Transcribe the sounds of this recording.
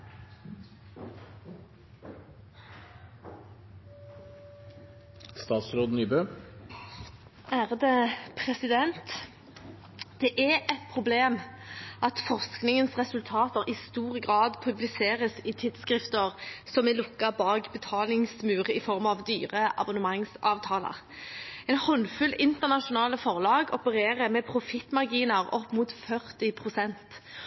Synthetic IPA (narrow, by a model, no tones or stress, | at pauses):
st̪ɑːt̪sɾoːd̪n̩yːbøː | æːʁd̪eːpʰʁɛsɪd̪ɛnt̪ | d̪̥ɛʔæɛt̪̚pʰʁʊbleːmʔɑt̪fɔʁsknɪŋənsʁɛsʉlt̪ʰɑːt̪əʁɪst̪uːʁəɡʁɑːd̪pʰʉblɪseːʁəsɪt̪ʰɪd̪skʁɪft̪əʁsɔmɛlʊkːɑbɑːɡbət̪ʰɑːlɪŋsmʉːʁəɪfɔʁmɑʋd̪yːʁəʔɑ̰bɔnəmɑŋsɑːʋt̪ʰɑːlə̰ʁ | ɛnhɔnfʉlɪnt̪əʁnɑʂʊnɑːləfɔʁlɑːɡɔpəʁeːʁəmɛpʰʁʊfɪt̪mɑʁɡiːnəʁɔpːmuːt̪fœʁt̪ɪpʰʁʊsɛnt̪